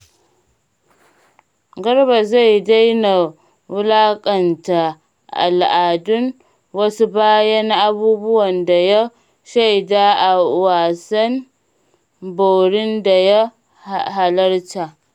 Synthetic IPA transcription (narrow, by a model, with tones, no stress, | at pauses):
ɡɐ˦rba˨za˦˨jda˦jna˨ | wʊ˦laː˦kʼɐ˨nta˨ | ʔa̰˨lʔa˨dʊ˦n | wɐ˦su˦baː˦jɐ˦n˦ʔa˦buː˦bʊ˦wɐ˨nda˨ja˦ | ʃa˦˨jdaː˦ʔa˨waː˨sɐ˦n | bo˨ɽɪ˦nda˨ja˦ | haɦa˨lɐ˦rta˨